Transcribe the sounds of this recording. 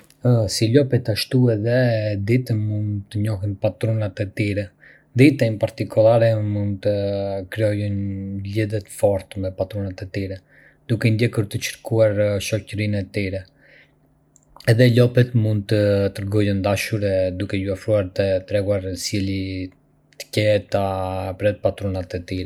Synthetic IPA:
silɔpɛt̪aʃt̪uɛðɛd̪it̪əmund̪t̪əɲɔɦɛnpat̪ɾɔnat̪ɛt̪iɾɛ | d̪it̪ɛmpaɾt̪ikʰɔlˠaɾɛmund̪t̪əkɾɛɔjɔnliðɛt̪fɔɾt̪mɛpat̪ɾɔnat̪ɛt̪iɾɛ | d̪̥ukɛnd̪jɛkəɾt̪ət͡ʃə̥ɾkuaɾʃɔcəɾinɛt̪iɾɛ | ɛðɛlɔpɛt̪mund̪̚t̪ət̪əɾɡɔjɛnd̪aʃuɾɛd̪ukɛjuafɾuaɾt̪ət̪ɾɛɡuaɾsjɛli | t̪ə̥cɛt̪apɾɛt̪̚pat̪ɾɔnat̪ɛt̪iɾɛ

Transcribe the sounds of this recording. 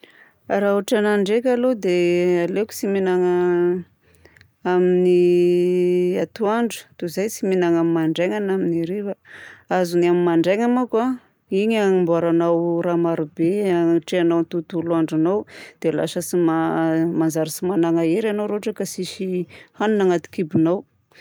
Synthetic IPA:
raɦuʈ͡ʂanaɳɖ͡ʐekʲalod̪ealeku̥t͡siminaŋa | amini | at̪uaɳɖ͡ʐu̥t̪uzajt͡siminaŋamimaɳɖ͡ʐeŋanaminiɾeɾaazuniamimaɳɖ͡ʐeŋamaka | iɲaŋimbuaɾanawɾamaɾubeaʈ͡ʂeanawnit̪ut̪uluaɳɖ͡ʐanawd̪̥ela̰ʃəsimamanzaɾisimanaŋaeɾanowɾooʈ͡ʂakasiʃihanunaŋat̪i̥kibunaw

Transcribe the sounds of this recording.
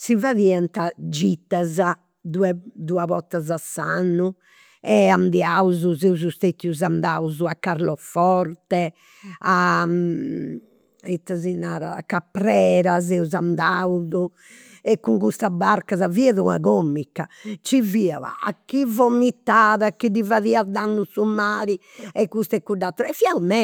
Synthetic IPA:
sivaðiant̪ad͡ʒit̪ːaza | d̪uɛd̪uaβɔt̪ːazasanːu | ɛand̪iawzuzɛuzust̪et̪ːiuzand̪auzuakːaɾlɔfɔɾt̪ɛ | a | it̪ːazinaːɾa̰ːkːapɾɛːɾazɛuzand̪awzu | ɛkːuŋkust̪abaɾkazaviɛðuna̰ɣomːikːat͡ʃivia̰a̰a̰kːivomːit̪ːaːðakid̪ivaðiad̪anːusumaːɾi | ɛkːust̪ɛkːud̪ːat̪ɾɔɛfiaumɛ

